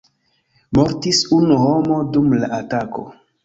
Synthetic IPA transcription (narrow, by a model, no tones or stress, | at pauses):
mo̞ɾtisunuɦo̞mo̞dumla̰ʔatako̰